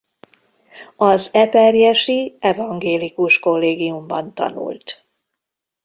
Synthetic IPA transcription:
ɒzɛpɛrjɛʃiɛvɒŋɡeːlikuʃkolːeːɡijumbɒ̰nt̪ɒ̰nṵlt̪

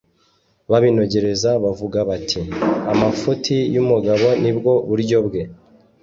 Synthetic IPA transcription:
βaβino̞ɟe̞ɾe̞zaβavuɡaβatʰiamafutʰijumuɡaβo̞nibɡo̞βuɾɟo̞bɡe̞

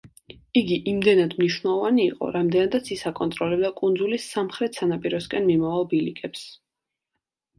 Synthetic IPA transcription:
iɡiʔimd̪ɛnad̪mniʃwnɛlˠɔvaniːqʼɔ̰ɾamd̪ɛnad̪at̪sʰisakʼɔnt̪ʼɾɔlɛbd̪akʼund̪zulisːamχɾɛt̪ʰsanapʼiɾɔskʼɛnmimavalˠbilikʼɛps

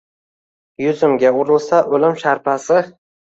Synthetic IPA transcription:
jʊzɪmɡʲaʊɾɪlˠsaʔɵlɪmʃaɾpʰasɪ

